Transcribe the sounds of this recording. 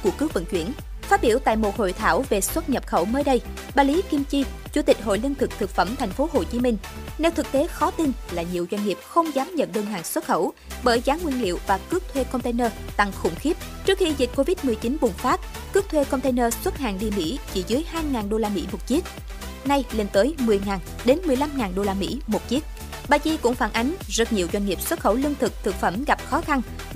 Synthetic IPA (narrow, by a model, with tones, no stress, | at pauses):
ku˧˩əkɨ˨˦ək̚və̰˧˨nt͡ɕwi˧˩ən | faː˦˥t̚ɓi˧˩əwt̪a̰ː˧˨jmo˨˩t̚ho̰˧˨jt̪ʰaː˧˩wve˨˩swə˦˥t̚ɲə˨˩p̚xə˧˩wməː˨˦jɗə˧j | ɓaː˧˩li˨˦ki˧mt͡ɕi˧ | t͡ɕṵ˧˩˦t̪ï˨˩k̟̚ɦo̰˧˨jli˧ənt̪ʰɨ˨˩k̚t̪ʰɨ˨˩k̚fə˧˩mt̪ʰɛ˨˩jŋ̟fo˨˦ɦo˨˩t͡ɕi˨˦mï˧ŋ̟ | nɛ˨˧wt̪ʰɨ˨˩k̚t̪e˨˦xɔ˨˦t̪i˧nlaː˨˩ɲi˨˩əwzwa˧ŋ̟ŋi˨˩əp̚xə˧wŋ͡mzaː˨˦mɲə̰˧˨nɗəː˧nɦa̰ː˧˨ŋswə˦˥t̚xə˧˩w | ɓəː˧˩jɣaː˨˦nŋwi˧nlḭ˧˨əwvaː˨˩kɨ˦˥ək̚t̪ʰwe˧kɔ˧ŋ͡mt̪e˧jnəː˧t̪a˨˩ŋxʊ̰˧˩ŋ͡mxi˦˥p̚ | t͡ɕɨ˦˥k̚xi˧zi˨˩k̟̚ko˧vi˦˥t̚mɨ˨˩əjt͡ɕi˨˦nɓʊ˨˩ŋ͡mfaː˦˥t̚ | kɨ˦˥k̚t̪ʰwe˧kɔ˧ŋ͡mt̪e˧jnəː˧swə˦˥t̚ha̰ː˧˨nɗi˧mḭ˧˥t͡ɕḭ˧˩zɨ˨˦jhaː˧jŋaː˨˩nɗo˧laː˧mḭ˧˥mo˨˩t̚t͡ɕi˦˥ək̚ | na˧jle˧nt̪əː˨˦jmɨ˨˩əjŋaː˨˩n | ɗe˨˦nmɨ˨˩əjla˧mŋaː˨˩nɗo˧laː˧mḭ˧˥mo˨˩t̚t͡ɕi˦˥ək̚ | ɓaː˧t͡ɕi˧kʊ̰˧˥ŋ͡mfaː˧˩nʔa˨˦jŋ̟zə˨˦˥t̚ɲi˨˩əwzwa˧ŋ̟ŋi˨˩əp̚swə˦˥t̚xə˧˩wlɨ˧ənt̪ʰɨ˨˩k̚t̪ʰɨ˨˩k̚fə˧˩mɣa˨˩p̚xɔ˨˦xa˧n